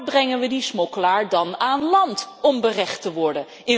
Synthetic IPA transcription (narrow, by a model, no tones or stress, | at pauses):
brɛŋənʋədismɔkəlaːɹdɑnaːnlɑntɔmbərɛχtəʋɔɹdən | ɪ